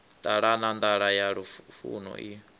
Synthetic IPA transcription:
t̪ʼaɺanand̪aɺajaɺufṵnɔ̰ʔi

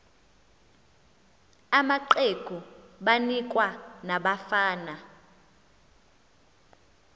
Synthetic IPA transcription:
amaǃeɡ̥ʱuɓanik̬ʼwanaɓafaːna

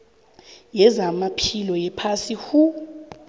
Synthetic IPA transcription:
jɛzamapʰilɔjɛpʰasihu

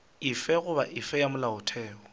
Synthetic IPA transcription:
ɪfɛɣʊbaʔɪfɛjamʊlaʊtʰɛːɔ

